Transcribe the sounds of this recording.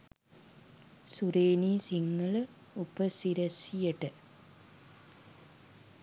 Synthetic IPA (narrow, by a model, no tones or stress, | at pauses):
suɾeːniːsiŋːələ | upəsiɾɐsijəʈə